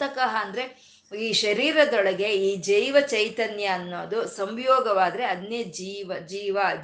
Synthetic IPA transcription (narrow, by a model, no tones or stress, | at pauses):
t̪ɐkɐɦɐɐnd̪ɐɾe̞ | iːʃɐɾiːɾɐd̪ɔɭɐɡe̞iːd͡ʒɐjʋɐt͡ʃɐjt̪ɐnjɐːnːoːd̪usɐmjɔːɡɐʋaːd̪ɐɾe̞ɐd̪ned͡ʒiːʋɐd͡ʒiːʋɐ